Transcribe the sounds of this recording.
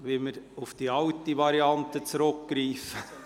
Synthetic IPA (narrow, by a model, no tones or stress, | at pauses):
ʋɪlməɾufd̥iɑwtiʋɑɾiɑnt̪ət͡sɾʊkɡ̥ɾiːfə